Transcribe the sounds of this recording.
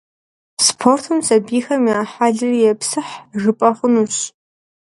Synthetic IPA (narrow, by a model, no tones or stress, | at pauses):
spʰortʰumsɐbiːxɐmiaːħaːɮɨrijɛpsɨħʐɨpʼɐχʷʊnuːɕ